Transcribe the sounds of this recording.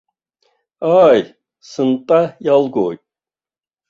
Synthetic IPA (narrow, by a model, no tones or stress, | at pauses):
aːj | sɨntʼajalˠɡɔ̰j